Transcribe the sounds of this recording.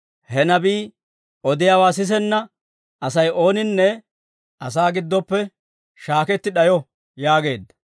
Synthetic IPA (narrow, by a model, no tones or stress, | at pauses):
hɛnɐbiː | ʔɔd̪ɪjaːwaːs̬ɪs̬ɛnːɐ | ɐsɐjo̞ːnɪnːɛ | ɐsaːɡɪd̪ːɔpːɛ | ʃaːkɛt̪ːɪɗɐjɔ | jaːɡe̞ːd̪ːɐ̥